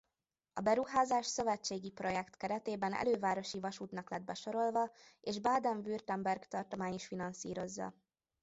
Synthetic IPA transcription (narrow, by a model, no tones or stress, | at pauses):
ɒ̰bɛɾuɦaːzaːʃsø̞vɛt͡ʃːeːɡipro̞jɛkt̪kɛɾɛt̪eːbɛnɛ̰løːvaːɾo̞ʃivɒʃuːt̪nɒklɛd̪̚bɛʃo̞ɾo̞lvɒeːʒbaːd̪ɛɱvyrt̪ɛmbɛrɡt̪ɒrt̪o̞maːɲiʃfinɒnsḭːɾo̞zːɒ̰